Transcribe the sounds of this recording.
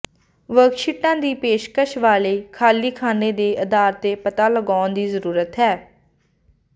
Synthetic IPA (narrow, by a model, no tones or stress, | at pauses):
ʋəɡʃɪʈːãːd̪iːpeːʃkəʃʋaːleiːkʰaːliːkʰaːneːd̪eːʔəd̪aːɾt̪eːpət̪aːləɡaːnd̪iːzəɾuːɾət̪ɦɛː